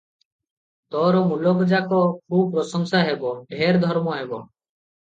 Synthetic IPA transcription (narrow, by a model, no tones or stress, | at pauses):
t̪ɔːɾɔmulɔkd͡ʒakɔkɾuːpɾɔsɔŋsaɦebɔbʱeːɾd̪ʱɔɾmɔɦebɔ̰